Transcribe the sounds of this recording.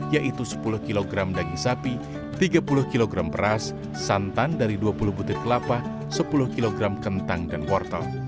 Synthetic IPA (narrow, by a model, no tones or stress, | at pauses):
jaʔit̪usə̥pulʊhkiloɡɾamdaɡiŋsapi | t̪iɡapulʊhkiloɡɾampərasː | ant̪andaɾiduapulʊhbut̪ɪt̪̚kəlapah | səpulʊhkiloɡɾamkənt̪aŋdanpɔrt̪a̰l